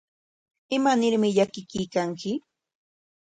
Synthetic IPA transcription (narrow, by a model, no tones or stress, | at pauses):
ɪmanɪɾmɪʎakɪkɪjkaŋkɪ